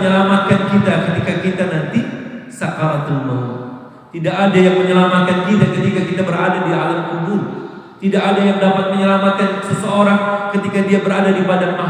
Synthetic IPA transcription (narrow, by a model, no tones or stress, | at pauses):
ɲəlamat̪̚kankit̪akət̪ikakit̪anant̪isakaɾat̪ənbo | t̪idakadajaŋməɲəlamat̪̚kankit̪akət̪ikakit̪abəɾadadialəmkubʊl | t̪idakadajaŋdapat̪̚məɲəlamat̪̚kansəsəoɾaŋkət̪ikadiabəɾadadipadamaɦ